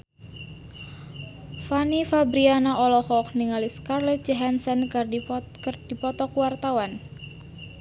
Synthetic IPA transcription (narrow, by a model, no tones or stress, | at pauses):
fanifabɾianaʔɔlɔhɔk̚niŋaliskarlɛt̪̚d͡ʒaɦansɛnkrkrd̥ipɔt̪ɔkuwart̪awan